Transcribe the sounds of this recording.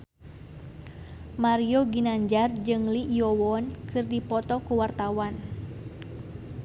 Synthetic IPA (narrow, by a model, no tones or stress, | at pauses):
maɾioɡinaɲd͡ʒard͡ʒɨŋliʔijowɔnkʰɨrdipɔt̪ɔkuwart̪awan